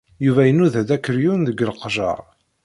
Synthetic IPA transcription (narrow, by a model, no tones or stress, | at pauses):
juvæjənːuðæd̪ækːəɾjunðəɡəlqʒɑ̰ɾˤ